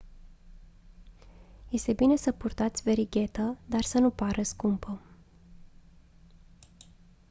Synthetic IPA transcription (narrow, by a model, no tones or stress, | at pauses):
je̞st̪e̞bine̞səpurt̪at̪sʲve̞ɾiɡʲe̞t̪əd̪arsənupaɾəskumpə